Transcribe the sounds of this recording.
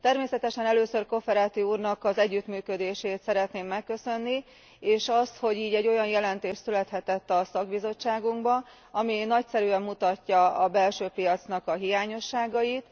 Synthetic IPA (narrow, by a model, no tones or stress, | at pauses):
t̪ɛrmeːsɛt̪ɛʃɛnɛløːsørko̞fɛɾaːt̪iuːrnɒkɒzɛɟːyt̪myːkød̪eːʃeːt̪sɛɾɛt̪neːmːɛkːø̞sø̞nːi | eːʃɒst̪ho̞ɟiːɟɛɟːo̞jɒnjɛlɛnt̪eːʃt̪sylɛt̪hɛt̪ɛt̪ːɒsɒɡbizo̞t͡ʃːaːɡuŋɡbɒ | ɒminɒcsɛɾyɛmːut̪ɒcːɒɒbɛlʃøːpijɒt̪snɒkɒɦijaːɲo̞ʃːaːɡɒjit̪